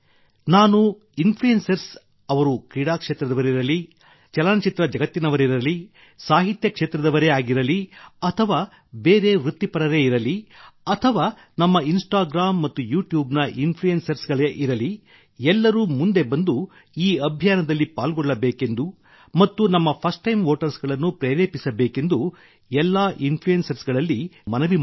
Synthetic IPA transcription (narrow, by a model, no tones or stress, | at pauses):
naːnu | inpʰlujensɐɾs | ɐʋɐɾukɾiːɽaːkʂeːt̪ɾɐd̪ɐʋɐɾiɾɐli | t͡ʃɛlaːnɐt͡ʃit̪ɾɐd͡ʒɐɡɐt̪ːinɐʋɐɾiɾɐli | saːɦit̪jɐkʂeːt̪ɾɐd̪ɐʋɐɾeaːɡiɾɐliɐt̪ʰɐʋaː | beːɾe̞ʋɾut̪ːipɐɾɐɾeiɾɐliɐt̪ʰɐʋaː | nɐmːɐinsʈaːɡɾaːmːɐt̪ːujuːʈjuːbnɐʔinpʰlujensɐɾsɡɐɭeʔiɾɐli | ɛlːɐɾuːmund̪e̞bɐnd̪u | iːɐbʱjaːnɐd̪ɐlːipaːlɡɔɭːɐbeːke̞nd̪u | mɐt̪ːunɐmːɐpʰɐsʈːɐjmʋoːʈɐɾsɡɐɭɐnːupɾeːɾeːpisɐbeːke̞nd̪u | ɛlːaːʔinpʰlujensɐɾsɡɐɭɐlːimɐnɐʋi